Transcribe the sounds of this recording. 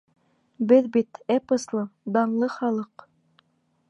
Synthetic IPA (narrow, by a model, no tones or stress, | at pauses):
bɘðbit̪ɛpɤ̆slˠɤd̪ɑɴlˠɤχɑlˠɤq